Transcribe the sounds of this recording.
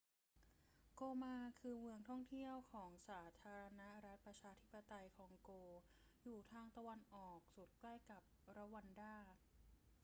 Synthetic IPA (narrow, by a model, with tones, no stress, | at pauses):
koː˧maː˧kʰɯː˧mɯ˧əŋt̪ʰɔ˥˩ŋt̪ʰi˥˩əwkʰɔː˩˦ŋsaː˩˦t̪ʰaː˧ɾa˧na˦˥ɾa˦˥t̪̚pɾa˧t͡ɕʰaː˧t̪ʰi˦˥pːa˧t̪a˧jkʰɔː˧˦ŋkoː˧ | juː˨˩t̪ʰaː˧ŋt̪a˧wa˧nʔɔː˨˩k̚su˨˩t̪̚kla˥˩jka˨˩p̚ɾa˦˥wa˧ndaː˥˩k̚